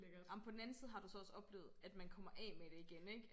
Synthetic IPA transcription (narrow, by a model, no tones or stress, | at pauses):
ɑmpʰɒ̽d̥n̩æn̩siːð̞̩ˠɦɑ̈d̥usɒ̽ɒ̽sɒ̽b̥le̝ːʊð̩ˠæd̥mænkʰɒ̽m̰ɐʔɛ̰ːmeɾ̥e̝iɡ̥eneɡ̥